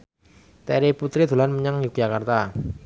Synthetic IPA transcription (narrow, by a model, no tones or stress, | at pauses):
t̪ɛɾiput̪ɾid̪̥o̤lanməɲaŋjuk̚d͡ʒakart̪a